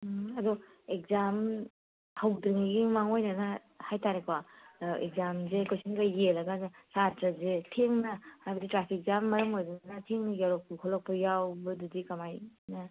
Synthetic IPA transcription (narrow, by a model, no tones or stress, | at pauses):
ɐdɔ | ek̚zam | hawdɯŋiɡimaŋojnana | hajtʰaɾekʰwaḛk̚zamzekojsiŋɡajjelɐɡazesatɾazetʰeŋnahajbɐditɾapʰik̚zamːɐɾɐmojdɯnnatʰeŋjaɾɔk̚pkʰɔlɔk̚pɐjawbɐdudikamajnɐ